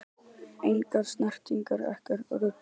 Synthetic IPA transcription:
ejŋkaðsnar̥t̪iŋkaɾɛ̰hkaɾ̰ɾʏ

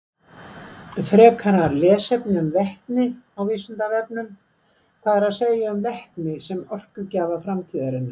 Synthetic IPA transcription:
fɾɛːkʰaɾaɾlɛːsɛpnʏmvɛht̪nɪawviːsʏnt̪avɛp̚nʏm | kʰaːðɛɾaðseːjaʏmvɛht̪nɪsɛmɔr̥kʏcaːvafɾamt̪ʰiːðaɾɪnːa

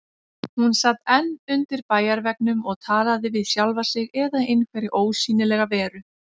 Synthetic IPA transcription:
hunsat̪ːɛnːʏnt̪ɪɾpaːjaɾvɛk̚nʏmɔɣt̪ʰaːlaðɪvɪðsjalvasɪɣɛðaejnkʰvɛjɾɪʔoːwsiːnɪlɛɣavɛːɾʏ

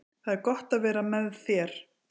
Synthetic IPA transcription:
θaðɛɾkɔht̪aðvɛːɾamɛðθjɛɾ̥

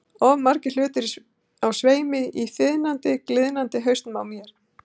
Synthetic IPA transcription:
ɔvmaɾcɪl̥ʏːt̪ɪɾ | awsveːjmɪifɪðnant̪ɪklɪðnant̪ɪɦœɥst̪nmawmjɛɾ̥

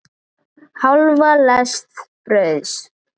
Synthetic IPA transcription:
hawlvalɛst̪ | ɾœɥs

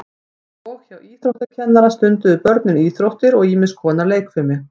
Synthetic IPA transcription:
ɔwçawiːθɾowht̪acʰɛnːaɾast̪ʏnt̪ʏðʏpœɾt̪nʏniːθɾowht̪ɪɾɔɣiːmɪskʰɔːnaleːjkfɪɾmɪ

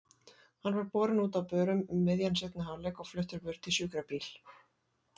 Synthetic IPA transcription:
hanːvaɾpɔːɾɪnuːt̪awpœːɾʏmʏmːɪðjansɛt̪nahalɛkɔɣflœht̪ʏɾpʏɾ̥t̪ʰɪlsʏːkɾapiːl̥

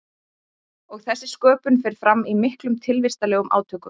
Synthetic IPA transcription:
ɔɣθɛsːɪskœːpʏnfɛjɾ̥fɾamːimɪhklʏmt̪ʰɪlvɪst̪alɛːɣʏmʔa̰ːwt̪ʰœːkʏm

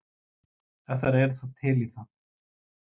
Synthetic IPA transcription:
ɛht̪aɾɛɾθɔt̪ʰɪliθa

